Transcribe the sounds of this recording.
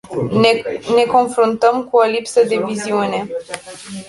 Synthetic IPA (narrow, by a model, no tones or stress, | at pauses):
ne̞ko̞nfɾunt̪əmkuolipsəd̪e̞viziune̞